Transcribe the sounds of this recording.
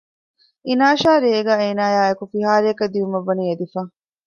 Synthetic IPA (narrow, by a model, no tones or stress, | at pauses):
inaːʃaːɾeːɡaːeːnaːjaːekufiɦaːɾeɐkɐd̪iumɐʋːɐniːed̪ifaː